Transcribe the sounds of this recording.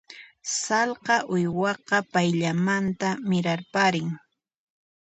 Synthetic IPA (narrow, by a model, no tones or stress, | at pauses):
sɑlqɑʔʊjwɑqɑpajʎamant̪amɪɾaɾpaɾɪŋ